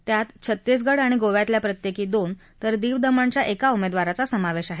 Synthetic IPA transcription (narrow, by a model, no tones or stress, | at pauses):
t̪jat̪t͡ɕʰət̪ːesɡəɽaɽ̃iɡoʋjat̪ljapɾət̪jekiːd̪on | t̪əɾd̪iːʋd̪əməɳt͡ɕjaʔekaumed̪ʋaɾat͡sasəmaʋeɕaɦe